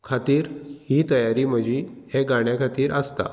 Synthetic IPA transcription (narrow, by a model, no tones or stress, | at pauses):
kʰat̪iːɾhiːt̪əjaɾiːm̤əd͡ʑiheɡaɳjakʰat̪iːɾəst̪a̰